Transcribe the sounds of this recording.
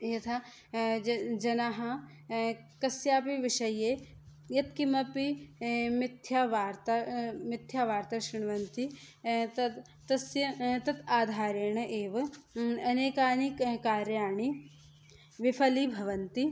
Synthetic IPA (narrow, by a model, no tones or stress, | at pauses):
jɐt̪ʰa | d͡ʒɐnaːɦɐ | kɐsjaːpiʋɪʃɐje | jɐt̪̚kimɐpimɪt̪ʰjaːʋaːɾt̪amɪt̪ʰːjaːʋaːɾt̪ɐʃɾɪɳ̃ʋɐnt̪i | t̪ɐt̪ | t̪ɐsjɐt̪ɐt̪aːd̪ʱaːɾeɳɐʔeːʋɐɐneːkaːnikkaːɾjaːɳi | ʋɪpʰɐlibʱɐʋɐnt̪i